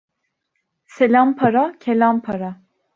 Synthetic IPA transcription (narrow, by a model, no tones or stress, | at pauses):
selʲampʰaɾacʰelʲampʰaɾa